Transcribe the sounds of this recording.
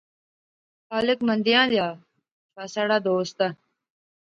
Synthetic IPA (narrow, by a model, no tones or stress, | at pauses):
xaːlɪkmənd̪ɪjãːd̪jaː | t͡ʃʰaːsaːɽaːd̪oːst̪a